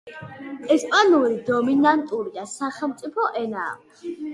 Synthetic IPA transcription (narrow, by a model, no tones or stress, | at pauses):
ɛspʼanuɾid̪ɔminant̪ʼuɾid̪asaχɛlˠmt̪sʼipʰɔʔɛna̰ː